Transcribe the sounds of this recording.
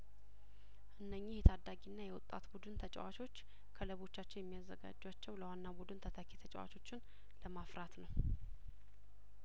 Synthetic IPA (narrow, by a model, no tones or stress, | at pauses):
ʔɨnːəɲːɪhjɛt̪ʰad̪ːaɡinːajɛwʊt̪ʼːa̰t̪bud̪ɨnt̪ʰət͡ʃʼɛ̰wat͡ʃo̞t͡ʃː | kʰələβo̞t͡ʃːat͡ʃːɪnjɛmːijazːəɡa̰d͡ʒːwat͡ʃːɛwləwanːabud̪ɨnt̪ʰət̪ʰəkʰet̪ʰət͡ʃʼɛ̰wa̰t͡ʃʰo̞t͡ʃːɪn | ləmafɾat̪nəw